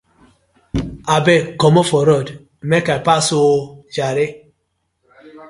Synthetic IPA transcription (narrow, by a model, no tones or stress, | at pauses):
abɛkɔmɔfɔɾɔd̩ | mɛkapasod͡ʒaɾe